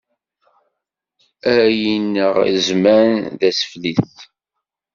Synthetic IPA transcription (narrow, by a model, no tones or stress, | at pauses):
æjinːəʁzmæɾnðæsə̥fliθ